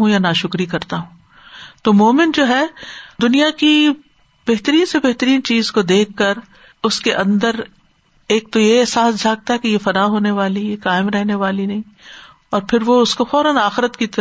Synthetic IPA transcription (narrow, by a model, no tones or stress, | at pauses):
ɦũjanaʃʊkɾikɐɾt̪aɦũː | t̪oːmoːmɪ̃ɳʈd͡ʒoːɦɛːd̪ʊnijaki | bɛɦt̪əɾiːnsebɛɦt̪əɾiːnt͡ʃiːzkod̪eːkʰːɐɾ | ʊskeʔɐ̃nd̪əɾ | eːk̚t̪ojeɛːsaːsd͡ʒʱaːɡ̚t̪aɦɛkejefɐɾaːɦoːneʋaːlikaːɪmɾɛɦneʋaːlinɐɦĩː | ɔːɾpʰɪɾʋoʊskofɔːɾənaːxɪɾət̪kit̪ɐ